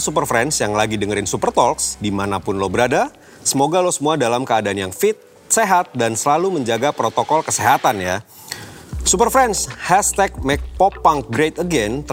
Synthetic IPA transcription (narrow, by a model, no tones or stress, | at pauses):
supərfɾɛnsjaŋlaɡidəŋəɾɪnsupərt̪ɔlksdimanapʊnlɔbəɾada | səmoɡalɔhsəmuadalamkəadaːnjaŋfɪt̪̚ | seɦat̪̚dansəlaluməɲd͡ʒaɡapɾot̪okɔlkəseɦat̪anja | supərfɾɛnshɛst̪ɛk̚mɛk̚popaŋɡɾet̪əɡɛnt̪ə